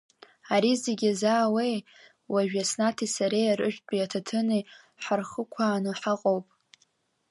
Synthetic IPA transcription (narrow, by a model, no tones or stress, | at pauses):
aɾizeɡʲazaːwej | waʒᶣasnatʰisaɾejaɾɨ̰ʒᶣt͡pʼiatʰatʰɨni | ħarχəkʷʰaːnɨħaqʼowpʼ